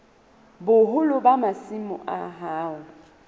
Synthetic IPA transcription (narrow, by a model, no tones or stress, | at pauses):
bʊɦʊlʊbamasɪmʊʔa̰ɦaːʊ